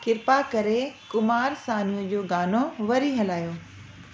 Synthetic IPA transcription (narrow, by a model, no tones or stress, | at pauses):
kɪɾpakɐɾekʊmaːɾsaːniũd͡ʑoːɡaːnoʋɐɾiɦɐlaːjoː